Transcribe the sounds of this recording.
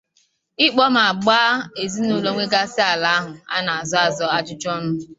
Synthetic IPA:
ɪ˦k͡pɔ˦m̩˨a˨ɡ͡baː˦e˨zi˦no˨lo˦ŋʷe˦ɡa˦sɪ˦a˨la˦ɦʊ˨a̰˦na˨a˨zɔ˦a˨zɔ˦a˦t͡ʃʊ˦t͡ʃɔ˦m̩˦

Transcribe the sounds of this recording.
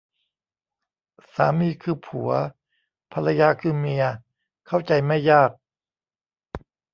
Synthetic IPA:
sa̰ː˩˦miː˧kʰɯː˧pʰu˩˦ɐ | pʰa˧la˧jaː˧kʰɯː˧mi˧ɐ | kʰa˥˩wt͡ɕa˧jma˥˩jːaː˥˩k̚

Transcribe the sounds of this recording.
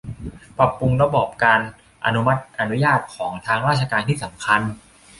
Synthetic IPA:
pɾa˨˩pːu˧ŋɾa˧bɔː˨˩p̚kaː˧n | ʔa̰˧nu˦˥ma˦˥t̪̚ʔa˧nu˦˥jaː˥˩t̪̚kʰɔː˩˦ŋt̪ʰaː˧ŋɾaː˥˩t͡ɕʰa˧kaː˧nt̪ʰiː˥˩sa˩˦mkʰa˧n

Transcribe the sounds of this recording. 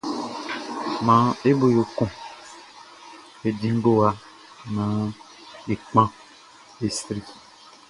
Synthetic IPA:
mã˨˦e˦bo˨jo˨kõ˨ | e˨dĩ˦ŋ˦ɡo˦a˦ | nã˨˦ | e˨k͡pã˦ | e˨stɾi˦

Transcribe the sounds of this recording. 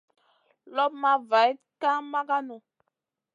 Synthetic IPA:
lɔ˦p̚ma˦va˨j | ka˦ma˦ɡa˦no˨

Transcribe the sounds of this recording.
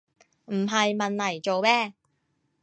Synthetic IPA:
m̩˨˩ɦɐ˨jmɐ˨nlɐ˨˩jt͡ʃo˨˧wmɛː˥

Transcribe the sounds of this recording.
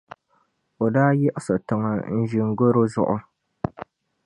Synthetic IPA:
o˨daː˦jɛ˦ʔɪ˦sɨ˨tɨ˨ŋa˨n̩˦ʒi˨ŋ˦ɡo˦ɾo˦zʊ̰˦ʔʊ˦

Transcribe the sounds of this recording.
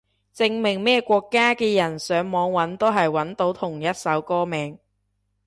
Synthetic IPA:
t͡sɪ˧ŋmɪ˨˩ŋmɛː˥kʷɔː˧kːaː˥kɛː˧jɐ˨˩nsœː˨˧˥ŋmɔː˨˧ŋwɐ˨˥nt̪o˥wɦɐ˨jwɐ˨˥nt̪o˨˥wt̪ʰʊ˨˩ŋjɐ˥t̚sɐ˨˥wkɔː˥mɛː˨˧ŋ

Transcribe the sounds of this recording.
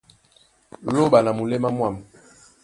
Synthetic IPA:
lo˦˨ɓa˨na˨mu˨le˦ma˦mwa˦˨m

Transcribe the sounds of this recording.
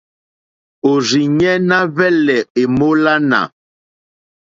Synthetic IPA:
o˨ɾi˨ɲɛ˦na˦βɛ˦lɛ˨e˨mo˦la˦na̰˨

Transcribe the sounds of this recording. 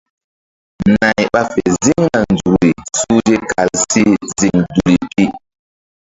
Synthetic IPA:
na˨jɓa˦fe˨zi˦ŋna˨n˨d͡zu˨ɾi˨su˦d͡ʒi˦kʰa˨lsi˦zi˨ŋdu˨li˨pi˦ʔ

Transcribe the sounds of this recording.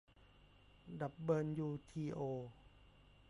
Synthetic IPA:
da˨˩p̚bɤː˧njuː˧t̪ʰiː˧ʔoː˧

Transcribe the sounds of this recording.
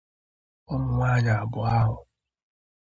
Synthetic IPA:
ɔ˦mʊ˨ŋʷaː˦ɲa˨a˨bʊ˨a˦ɦʊ˨

